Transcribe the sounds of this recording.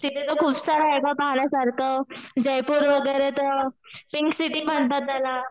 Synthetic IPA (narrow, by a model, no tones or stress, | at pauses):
t̪it̪ʰet̪əkʰuːpsaɾajɡapaɦɳjasaɾkʰəd͡ʑəjpuːɾʋəɡəjɾet̪əɾpiŋksiʈiːm̤əɳt̪at̪̚ala